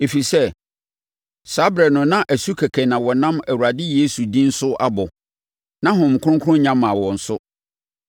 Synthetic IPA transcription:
e˨fi˨sɛ˦ | sa˦bɾɛ˨nʊ̃˨nã˦ʔæ˨su˦kʰæ˨kʰɛ˨nã˨wɔ˨nã˦mæ˨wu˨ɾa˨dɪ˦je˦su˨dĩ˦n̩˦sʊ˦a̰˦bɔ˨ | nã˦ɦʊ̃˨m˨kʰʊ̃˦ʊ̃˦ŋ˦kʰʊ˦ʊ̃˦ɲã˦mã˨wɔ̃˨n̩˨sʊ˦

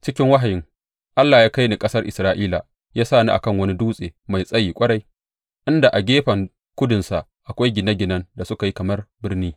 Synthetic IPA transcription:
t͡ʃɪ˦kʲɪ˦ŋwa˦ɦa˨jɪ˦ŋ | ʔa˦lːaː˨jaː˦ka˦jni˨kʼɐ˦sɐ˦rʔɪ˨sɾaː˦ʔiː˦la̰˨ | jaː˦saː˦˨ni˦ʔa̰˨kɐ˦ŋwɐ˦ni˦duː˦sʼeː˨ma˨jsʼɐ˦jiː˨kʷʼɐ˦ɽa˦j | ʔɪ˦nda˨ʔa˨ɡʲeː˦ɸɐ˨ŋ | kʷʊ˦dʊ˨nsa˨ | ʔa˨kʷa˦jɡʲɪ˨na˦ɡʲɪ˨nɐ˦nda˨sʊ˦ka˨ji˦kɐ˨mɐ˦rbɪ˦rniː˦

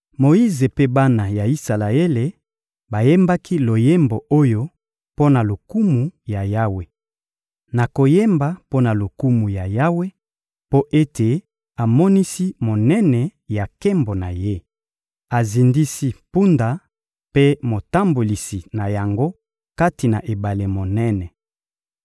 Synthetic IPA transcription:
mo˨i˦ze˨pe˦ba˦na˨ja˨i˦sa˨la˨e˦le˨ | ba˨je˦mba˦kʰi˦lo˨je˦mbo˨ʔo˦jo˦ | po˦na˨lo˨ku˦mu˨ja˨ja˦we˨ | na˨ko˨je˦mba˦po˦na˨lo˨ku˦mu˨ja˨ja˦we˦ | po˦ʔe˦tʰe˨ | a˨mɔ˦ni˦si˦mo˨nɛ˦nɛ˨ja˨ke˦mbo˨na˨je˦ | a˨zi˨ndi˦si˦pu˦nda˨ | pe˦mo˨ta˦mbo˨li˨si˨na˨ja˨ŋɡo˦ | ka˦ti˨na˨ʔe˨ba˨le˨mo˨nɛ˦nɛ˨

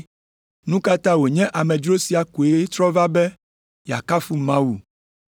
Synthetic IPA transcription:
nũ˦ka˦t̪ã˦wo˨ɲɛ̃˦ʔa˨mɛ̃˨d͡ʒɾo˦si˦a˨ku˨e˦t̪ɾɔ˦va˦bɛ˦ | ja̰˨ka˦fu˦mã˦wu˨

